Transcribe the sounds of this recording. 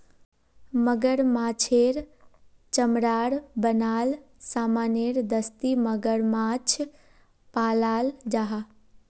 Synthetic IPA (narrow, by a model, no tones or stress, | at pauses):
məɡəɾmat͡ʃʰeɾ | t͡ʃəmɾaːɽbənaːlsamaneɾd̪əst̪iməɡəɾmat͡ʃʰ | palaːld͡ʒaɦa